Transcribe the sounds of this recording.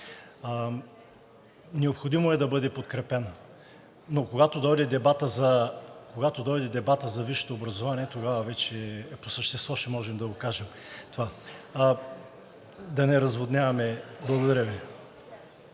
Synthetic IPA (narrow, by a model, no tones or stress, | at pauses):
nɛopxod̪imoɛd̪ɐbɤd̪ɛpot̪kɾɛpɛnː | okoɡat̪od̪ɔjd̪ɛd̪ɛbat̪əzɐkoɡat̪od̪ɔjd̪ɛd̪ɛbat̪əzɐviʃɛ̥t̪oːbɾɐzovaniɛt̪oɡavɐvɛt͡ʃɛposəʃt̪ɛst̪vɔʃɛmɔʒɛmd̪ɐɡokaʒɛm | t̪ova | d̪ɐnɛɾɐzvod̪nʲjavɐmɛblˠɐɡod̪ɐɾʲəvi